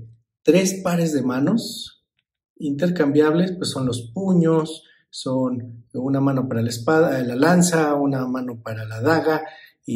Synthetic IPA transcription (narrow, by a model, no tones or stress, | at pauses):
t̪ɾe̞spaɾe̞zðe̞mãno̞s | int̪̬e̞ɾkambjaβle̞spwesːo̞nlo̞spuɲo̞sː | o̞nunamano̞paɾalaespaðlalansaunamano̞paɾalaðaɣa | i